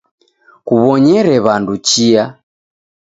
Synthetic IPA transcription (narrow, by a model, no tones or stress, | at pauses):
kuβɔɲɛɾɛβandut͡ʃia